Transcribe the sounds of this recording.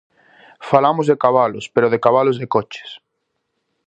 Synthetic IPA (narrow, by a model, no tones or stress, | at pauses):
falamozðekaβ̞alospeɾoð̞ekaβ̞alozðekot͡ʃe̥s